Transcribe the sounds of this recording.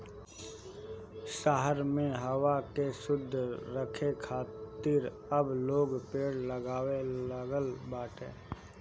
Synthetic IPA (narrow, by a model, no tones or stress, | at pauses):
ʃaɦəɾmẽɦəwakesʊd̪ʱːɾəkʰekʰaːt̪ɪɾ | əbloːɡpeːɽləɡaːweləɡəlbaːʈʰẽː